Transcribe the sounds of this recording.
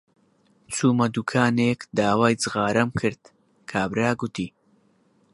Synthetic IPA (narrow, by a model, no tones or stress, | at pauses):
t͡sʰuːmɐd̪ukʰaːneːkd̪aːwaːjt͡sɨɣaːɾɐmkʰɨɾd̪̥ | kʰaːbɾaːɡut̪iː